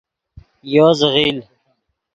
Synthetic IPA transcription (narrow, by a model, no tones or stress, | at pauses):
joːzəɣiːl